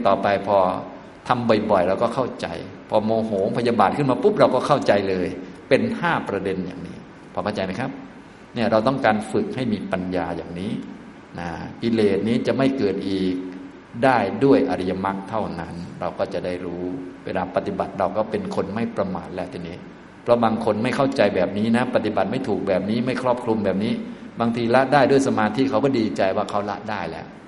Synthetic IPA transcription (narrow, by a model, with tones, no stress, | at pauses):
t̪ɔː˨˩pa˧jpʰɔː˧ | t̪ʰa˧mbɔ˨˩jbɔ˨˩jɾa˧wkɔː˥˩kʰa˥˩wt͡ɕa̰˧jpʰɔː˧moː˧ɦoː˩˦ŋpʰa˧ja˧ba˨˩t̪̚kʰɯ˥˩nmaː˧pu˦˥p̚ɾa˧wkɔː˥˩kʰa˥˩wt͡ɕa˧jlɤː˧jpe˧nhaː˥˩pɾa˧de˧nja̰ː˨˩ŋnḭː˦˥ | pʰɔː˧kʰa˥˩t͡ɕa˧jma˦˥jkʰa˦˥p̚ | ni˥˩ɐɾa˧wt̪ɔ˥˩ŋkaː˧nfɯ˨˩k̚ha˥˩jmiː˧pa˧njaː˧ja̰ː˨˩ŋniː˦˥ | na˦˩k̪i˧leː˨˩t̪̚niː˦˥t͡ɕa˨˩ʔma˥˩jkɤː˨˩t̪̚ʔiː˨˩k̚ | daː˥˩jdu˥˩əjʔa˧ɾi˧ja˧ma˦˥k̚t̪ʰa˥˩wna˦˥nɾa˧wkɔː˥˩t͡ɕa˨˩da˥˩jɾuː˦˥wḛː˧laː˧pa˧t̪i˨˩ba˨˩t̪̚ɾa˧wkɔː˥˩pe˧nkʰo˧nma˥˩jpɾa˧ma̰ː˨˩t̪̚lɛ˦˥˩t̪ʰiː˧˩niː˦˥ | pʰɾɔ˦˥baː˧ŋkʰo˧nma˥˩jkʰa˥˩wt͡ɕa˧jbɛː˨˩p̚niː˦˥na˦˥pa˧˩t̪i˨˩ba˨˩t̪̚ma˥˩jt̪ʰuː˨˩k̚bɛː˨˩p̚niː˦˥ma˥˩jkʰɾɔː˥˩p̚kʰɾu˧mbɛː˨˩p̚niː˦˥baː˧ŋt̪ʰiː˧la˦˥ʔdaː˥˩jdu˥˩əjsa˧maː˧t̪ʰiː˦˥˩kʰa˦˥wkɔː˥˩diː˧t͡ɕa˧jwaː˥˩kʰa˦˥wla̰˦˥ʔdaː˥˩jlɛ̰˦˥ʔ